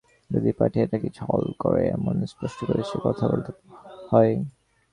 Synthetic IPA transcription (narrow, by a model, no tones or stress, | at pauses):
d͡ʒod̪ipaʈʰiɛtakid͡ʒʰʱɔlkɔɹɛɛmɔnspɔstikoɹisukɔt̪ʰabolt̪hɔj